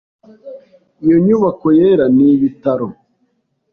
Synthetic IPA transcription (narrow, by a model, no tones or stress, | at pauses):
ijoɲuβakojeɾaniβitaɾo